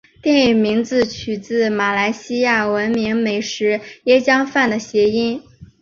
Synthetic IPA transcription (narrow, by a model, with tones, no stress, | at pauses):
t̪jɛ˥˩ny˨˩mi˧˥ŋt͡sɹ̩˧t͡ɕʰy˨˩t͡sɹ̩˥˩ma˨˩la˧˥ɪɕi˥ja˥˩wə˧˥nmi˧˥ŋme˨˩ɪʂɻ̩˧˥jɛ˥˩t͡ɕjɑ˥ŋfa˥˩nd̪ə˩ɕjɛ˧˥i˥n